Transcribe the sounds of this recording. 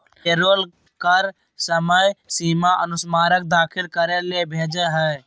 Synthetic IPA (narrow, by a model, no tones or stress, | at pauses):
eːɾoːl | kəɾ | səməjsiːmaʔənʊsmaːɾək̚d̪aːkʰɪlkəɾelebʱeːd͡ʒəɦɛː